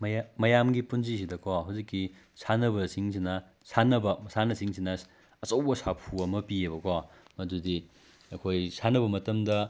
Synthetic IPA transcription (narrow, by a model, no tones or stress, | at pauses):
mɐjamɐjamɡipunzis̬idɐkʰoɦawzikːi | sanɐbɐsiŋs̬inɐ | sanɐbɐmɐsanɐsiŋsinɐ | ɐt͡ʃɐwbɐsapʰuɐmɐpieβɐkʰa | mɐdudi | ɐkʰojsanɐβɐmɐtɐmdɐ